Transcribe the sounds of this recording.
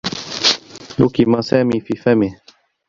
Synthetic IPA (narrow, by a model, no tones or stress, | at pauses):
lukimasæːmiːfiːfamɪ